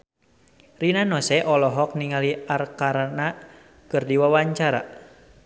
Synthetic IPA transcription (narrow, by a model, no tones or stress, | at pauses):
rinanɔsɛʔɔlɔɦɔk̚niŋaliarkaɾana | kɨrdiwawaɲt͡ʃaɾa̰